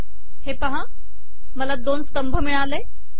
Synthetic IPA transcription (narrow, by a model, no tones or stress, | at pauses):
hepəɦã | məlad̪oːnst̪əmbʱəmɪɭ̃aːleː